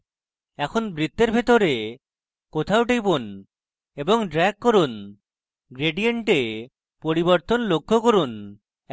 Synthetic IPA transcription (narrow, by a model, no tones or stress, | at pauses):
ɛkʰonbɾit̪ːeɾbʱet̪oɾe | kot̪ʰawʈejbun | eboŋɖɾɛkːoɾun | ɡɾeɖieɳʈe | poɾiboɾt̪onlokʰːokoɾun